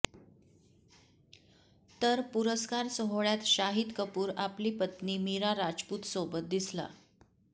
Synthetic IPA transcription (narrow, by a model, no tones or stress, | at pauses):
t̪əɾpuɾəskaɾsəɦoɭjat̪ɕaɦid̪kəpuːɾapliːpət̪niːmiɾaɾad͡zpuːt̪sobət̪̚d̪isla̰